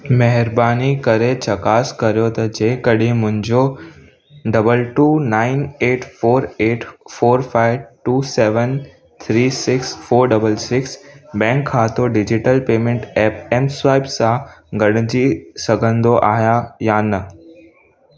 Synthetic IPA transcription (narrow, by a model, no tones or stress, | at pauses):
mɛɦɪɾbaːnikɐɾet͡ɕɐkaːskɐɾijot̪ɐd͡ʑeːkɐɗĩmʊ̃ɦɪ̃ɲd͡ʑo | ɖɐbəlʈuːnaːɪneːʈfoːɾeːʈfoːɾfaɪʋʈuːsɛːʋən | t̪ʰɾiːsɪksfoːɾɖɐbəlsɪksbɛ̃ːŋkʰːãːt̪oɖɪd͡ʑɪʈəlpeːmẽːɳʈɛːpɛːmsʋaːɪpsãɡɐɽ̃d͡ʑisɐɡʱə̃nd̪oʔaːɦijajaːnɐ